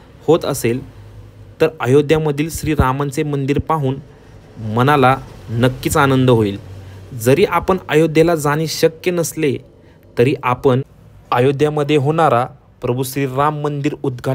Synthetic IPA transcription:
hot̪ə̰sel | t̪əɾəjod̪jaməd̪ʱiːlɕɾiːɾamant͡semənd̪iːɾpaɦuːn | mənalanəkːiːt͡sanənd̪əɦoiːld͡zəɾiːʔapəɳəjod̪ʱjelad͡zaɽ̃iːɕəkjənəsle | t̪əɾiːʔapəɳ | əjod̪jaməd̪ʱːjeɦoɽ̃aɾa | pɾəbʱuɕɾiːɾamːənd̪iːɾud̪ɡʱa

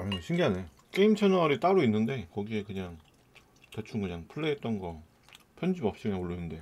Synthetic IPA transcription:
amʌneɕʰiŋɡeane | k͈e̞imt͡ɕʰenʌɾit͈aɾoinːɯnde̞kʌɡie̞kɯɲaŋ | tet͡ɕʰumkɯɲaŋpʰɯɭːeɦːt̚t͈ʌnɡʌ | pʰjʌnd͡ʑimʌp̚ɕ͈iɯnaoɭːɯnːɯnde̞

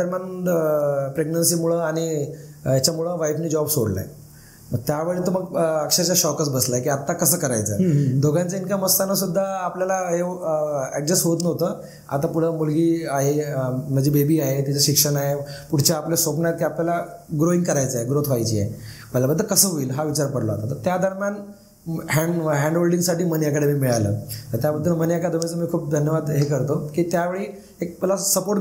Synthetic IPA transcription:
əɾman | pɾeɡnənsiːmuɭəaɽ̃ijat͡ɕamuɭəʋajfniːd͡ʑɔbsoɽla̰ḛ | məɡ̚t̪jaʋəɭet̪oməɡəkʂat͡ɕaɕɔkəsbəslaekiːat̪akəsəːkəɾajt͡səːd̪ʱoɡãnt͡səinkjaməst̪anəsud̪ʱːaːpljalaɦe | ɛɡ̚d͡ʑəsɦot̪nəʋt̪əː | a̰t̪apuɽ̤əmulɡiːaɦem̤əd͡ʑʱiːbebiːaɦet̪it͡səɕikʂəɳaɦepuɽ̤t͡ɕaːplesopɳjat̪kiːapljalaɡɾoiŋɡkəɾajt͡səːɦeɡɾot̪ʰʋajt͡ɕḭḛməljabəd̪ʱːəɾkəsəɦoiːlɦaʋit͡ɕaɾpəɽləa̰t̪at̪əɾt̪jad̪ʱəɾmjan | ɦɛ̃ɳɦɛ̃ɳɖɦolɖiŋɡsaʈiːmənjakəɽemiːmiɭalə̰ːt̪əɾt̪jabəd̪ʱːəmənjakad̪əʋet͡səmiːkʰuːp̚d̪ʱənjəʋad̪ɦekəɾt̪əkiːt̪jaʋeɭiː | ek̚əlasəpoɾʈ

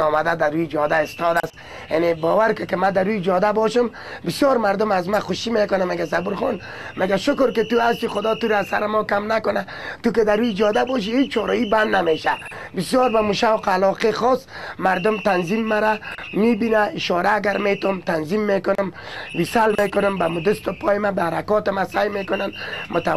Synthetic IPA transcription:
ɔːmad̪ad̪aɾud͡ʒɔd̪aɪst̪ɔd̪as | janebɔːwaɾkɪkɪmad̪aɾud͡ʒɔd̪abɔʃʊm | bɪsjɔɾmaɾd̪ʊmazmaxʊʃimekʊnameɡasabuɾxɔn | meɡaʃʊkʊɾkɪt̪uast̪ixʊd̪ɔːt̪uɾaːsaɾɪmɔkamnakʊna | t̪ukɪd̪aɾud͡ʒɔd̪abɔːʃ̬ihet͡ʃt͡ʃʰɔɾɔiband̪nameʃa | bɪsjɔɾbamuʃawqalɔqexɔsmaɾd̪ʊmt̪anzimːaɾamibinaɪʃɔɾaːɡaɾmet̪ɔmt̪anzimːekʊnʊmwisalmekʊnʊmbamud̪ʊst̪ʊpʰɔːjɪmabaaɾakɔt̪ɪmasajmekʊnanmʊt̪a

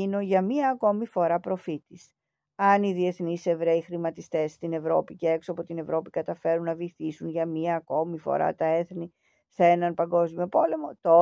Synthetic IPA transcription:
ino̞ʝɐmiɐːko̞mifo̞ɾɐpɾo̞fit̪is | ɐniðie̞θnise̞vɾeixɾimɐt̪ist̪e̞st̪ine̞vɾo̞̰piceeksoɐpo̞t̪ine̞vɾo̞pikɐt̪ɐfe̞ɾunːɐviθisunʝɐmiɐːko̞mifo̰ɾɐ̰t̪ɐe̞θni | θenɐnpɐŋɡo̞zmio̞po̞le̞mo̞t̪o

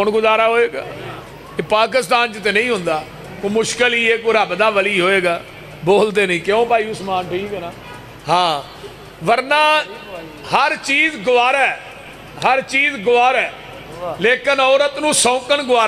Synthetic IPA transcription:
ʊɳɡʊzaːɾaːɦoːeːɡa̰ː | eːpaːk̬ɪst̪aːnt͡ʃət̪eːnəĩːɦʊnd̪aː | kːmʊʃkəlɦiːeːkoɾaːbd̪aːʋəliːɦoːeːɡaː | boːld̪eːnəĩːkɪõːpaːiːʊsmãːnʈʰiːkɛːnaː | hãː | ʋəɾnaː | həɾt͡ʃiːzɡʊʋaːɾɛː | ɦəɾt͡ʃiːzɡʊʋaːɾɛː | leːkənɔːɾət̪nũːsɔ̃ːkənɡʊʋaː

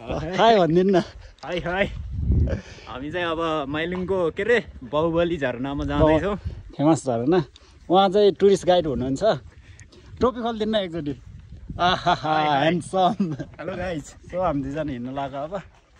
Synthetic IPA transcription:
tʰajbʱʌnd̪inːʌ | ɦʌjɦʌj | ɦa̰mit͡saĩʌβʌmajliŋkokeɾebawbʌlid͡zʱʌɾonamad͡zad̪t͡sʰʌ̃w̃kʰemasd͡zʱʌɾonʌ | ɦãt͡saĩʈuɾisʈɡajɖɦunuɦunt͡sʰʌ | ʈropikʰold̪inːʌek̚d͡zʌʈiʌɦɦɦensʌmɾajt͡sʰtʌamidid͡zanɦinːʌlaɡoːbʌ

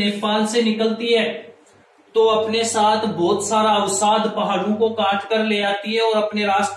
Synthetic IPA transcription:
eːfaːlsenɪkəlt̪iɦɛː | t̪oɐpnesaːt̪ʰbɔːt̪saːɾaɐʋsaːd̪pɐɦaːɾõkokaːʈʰkəɾleːaːt̪iɦɛɔːɾɐpneɾaːst̪

